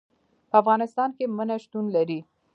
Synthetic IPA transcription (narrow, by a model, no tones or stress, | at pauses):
pəafɣɑnɪst̪ɑnkemənaʃt̪unlaɾi